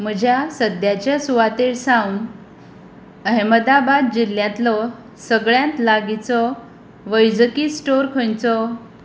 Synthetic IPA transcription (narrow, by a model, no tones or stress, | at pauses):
m̤əd͡ʑʱjasəd̪jat͡ɕjasuʋat̪eɭsãun | əɦməd̪abad̪̚d͡ʑil̤jãt̪lɔ | səɡɭjãnt̪laɡit͡sɔ | ʋəjd͡zəkiːsʈoɾkʰə̃jt͡sɔ